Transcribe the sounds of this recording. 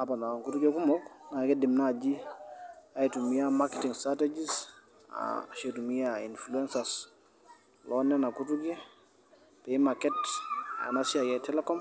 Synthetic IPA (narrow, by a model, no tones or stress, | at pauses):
apanaŋkutuɡekumɔknaɡedimnad͡ʒi | aitumiamaketiŋstɾated͡ʒis | a̰ʃetumiainfluɛnsas | lɔnɛnakutuɡɛ | pemaketa̰nasiajɛtɛlekɔm